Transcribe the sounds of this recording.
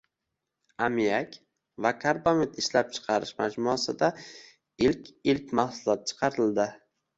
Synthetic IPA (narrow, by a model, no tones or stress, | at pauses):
amijakʲ | vakʰaɾbomet̪ʰɪʃlap̚t͡ʃʰɨ̥qʰɑɾɪʃmad͡ʒmʊasɪd̪a | ɪlkʲɪlkʲmahsʊlˠɒt̪̚t͡ʃʰɨ̥qʰɑɾɪld̪ɪ